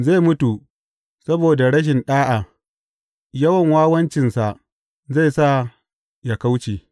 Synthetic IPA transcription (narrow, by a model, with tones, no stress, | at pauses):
za˦˨mʊ˦tu˨ | sɐ˦boː˨da˨ɽɐ˦ʃ̬ɪ˨nɗaː˦ʔa˨ | jɐ˦wɐ˨ŋwaː˦wɐ˦nt͡ʃɪ˨nsa˨ʔ | za˦˨jsa˦˨ | ja˨ka˦wt͡ʃeː˨